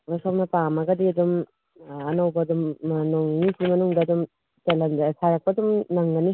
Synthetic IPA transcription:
ɾasapnɐpamɐɡɐdiɐdum | ɐnɐwbɐːdumnoŋnisʰimɐnuŋdɐːdum | telɐndsaɾɐk̚pɐːdumnɐŋɡɐni

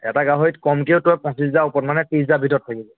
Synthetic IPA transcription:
ɛ̰taɡaɦojtkɔmkeʊtɔjpɔ̃nsis̬zaupɔtmanɛtĩs̬zabʱitɔt̚tʰːakibɔ

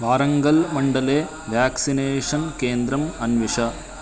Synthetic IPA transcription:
ʋaːɾɐŋɡɐlmɐɳɖɐleː | ʋjaːksineːʂɐnkeːnd̪ɾɐmɐnʋiʂɐ

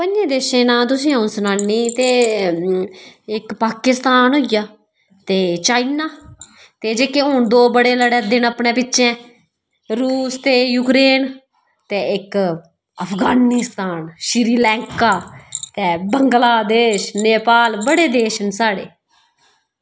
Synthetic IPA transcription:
pənd͡ʒẽːd̪eːʃẽːnãːt̪̬ʊsĩːãːnsənaːnːiːt̪eː | ɪkpaːkɪst̪aːnɦoːɪjaː | t̪eːt͡ʃaːinaː | t̪eːd͡ʒeːkẽːɦʊɳd̪oːbəɽeːləɽɛːd̪ɪnəpɳẽːpɪtːʃẽː | ɾuːst̪eːjuːkɾeːn | t̪eːɪk | əpʰɡaːnist̪aːnʃɪɾiːlɛ̃ːŋkaːt̪ɛːbəŋɡlaːd̪eːʃneːpaːlbəɽeːd̪eːʃnsaːɽḛː

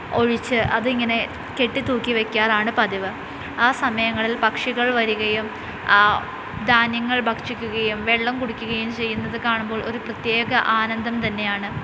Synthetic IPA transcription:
o̞ɻit͡ɕːɨʔɐ̰ðɨiŋːɐne̞ | ke̞ʈːit̪uːkːiʋe̞kʲːaːraːɳɨpɐd̪iʋɨ | aːsɐmɐjɐŋːɐɭilpɐkʂiɣɐɭʋɐɾuɣɐjum | d̪aːnjɐŋːɐɭbʱɐkʂikʲːuɣɐjumʋeɭːɐmkuɽikʲːuɣɐjumt͡ɕe̞jːunːɐðɨkaːɳumbo̞ːɭʔo̞̰ɾuprɐt̪je̞ːɣɐʔaːnɐnd̪ʱɐmt̪ɐnːe̞jaːɳɨ

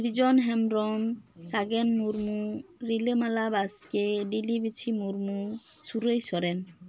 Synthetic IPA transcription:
iɾd͡ʒɔnɦɛmɾɔmsaɡɛnmuɾmuɾilemalabaskeɖilibit͡ʃʰimuɾmusuɾejsɔɾɛn

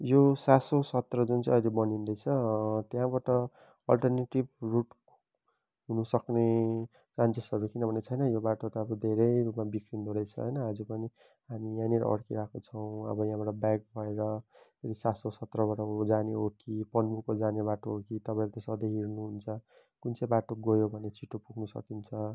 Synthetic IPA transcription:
josasosʌt̪rʌd͡zunt͡sʌ̃ʌjɾebʌnind̪ʌjt͡sʰʌt̪jãbaʈʌ | ʌlʈʌrneʈibruʈ | ɦunusʌkne | ʈrãnt͡sesʌɾukinʌbʱʌnet͡sʰʌjnʌjobaʈot̪ʌːbʌd̪ʱeɾʌjɾupmabikɾind̪ʱoɽʌjt͡sʰʌ̰ɦʌ̰jnʌɦʌd͡zupʌni | ɦamijãniɾʌ̰ʌ̰ɽkiɾakʰot͡sʰʌw̃ʌ̰bʌjããbaʈʌbak̚bʱʌeɾʌt̪eɾisasosʌt̪rʌbaʈʌd͡zaneɦokipʌnmukod͡zaneβaʈoɦokit̪ʌpaĩɾt̪esʌd̪eɦiɾnuɦunt͡sʰʌ | kunt͡sʌjbaʈoɡʌjobʱʌnet͡sʰiʈːopuɡnusʌ̰kint͡sʰʌ

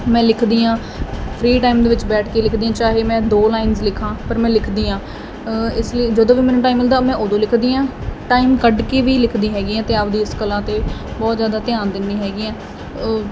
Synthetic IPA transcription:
mɛ̃ːlɪkʰd̪iːãː | pʰɾiːʈaːimd̪eːʋɪt͡ʃbɛːʈʰkeːlɪkʰd̪iːãːt͡ʃaːɦeːmɛ̃ːd̪oːlaːɪnzlɪkʰãːpəɾmɛ̃ːlɪkʰd̪iːãː | ɪsliːd͡ʒəd̪õːʋiːmɛːnũːʈaːiːmɪld̪aːmɛ̃ːʔod̪õːlɪkʰd̪iːãːʈaːimkəɖkeːʋiːlɪkʰd̪iːɦɛːɡiːɛ̃ːt̪eːəpd̪iːɪskəlːãːt̪eːbɔːt̪zjaːd̪aːt̪ɪjãːnd̪ɪnd̪iːɦɛːɡiːɛː

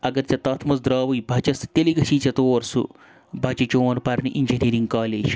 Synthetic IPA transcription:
ɐɡɐɾt͡ʃʲɐt̪ɐt̪ʰmɐzd̪ɾaːʋujbʱɐt͡ʃɐst̪eliɡɐt͡ʃʰiːt͡ʃɐt̪oːɾsṵ | bʱɐt͡ʃit͡ʃoːnpɐɾniʔind͡ʒiniɾiŋɡkaːleːd͡ʒ

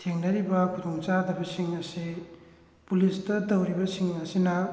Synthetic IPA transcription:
tʰeŋnɐɾibɐkʰudoŋt͡ʃadɐbɐsiŋɐsi | pulistɐtɐwɾibɐsiŋɐsinɐ

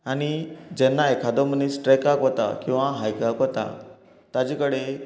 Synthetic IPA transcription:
aɽñid͡ʑɛnːaekʰad̪ɔmənisʈɾɛkakʋɔt̪a̰kĩw̃ʋaɦajkakɦɔt̪a̰ | t̪ad͡ʑẽkəɽe

